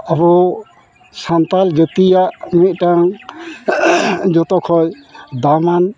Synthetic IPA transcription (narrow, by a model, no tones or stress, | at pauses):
abɔ | sant̪ald͡ʒət̪ijaʔmit̪̚ˀʈaŋ | d͡ʒɔt̪ɔkʰɔjd̪aman